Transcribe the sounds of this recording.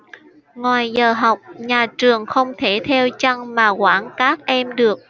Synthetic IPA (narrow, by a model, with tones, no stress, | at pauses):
ŋwaː˨˩jzəː˨˩ɦa˨˩wk͡p̚ɲaː˨˩t͡ɕɨ˨˩əŋxə˧wŋ͡mt̪ʰe˧˩t̪ʰɛ˧wt͡ɕa˧ŋmaː˨˩kwaː˧˩nkaː˦˥k̚ʔɛ˧mɗɨ˨˩ək̚